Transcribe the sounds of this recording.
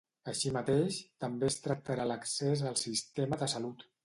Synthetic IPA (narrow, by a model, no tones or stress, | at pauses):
əʃimət̪eʃt̪əmbest̪ɾək̚t̪əɾaləksezəlˠsist̪eməðəsəlut̪